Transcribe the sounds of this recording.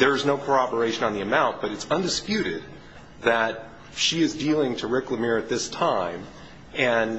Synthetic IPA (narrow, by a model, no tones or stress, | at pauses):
ðə˞ɨznoʊkʰə˞ɑbə˞eɪʃɨ̃nə̃nðiɨmãʊ̃nt̚b̥ʌɾɨtsʌ̃ndɨspjʉɾɪd̪̚ | ðɨt̚ | ʃiɨzdilˠɪ̃ŋtʰɨɹɪkləmɪɹɨt̪̚ðɪstʰãɪ̃m | ɨ̃n